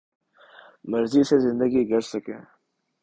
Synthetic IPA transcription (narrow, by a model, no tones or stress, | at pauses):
mɐɾzisezɪ̃nd̪əɡiɡɐɾsɐkḛ̃ː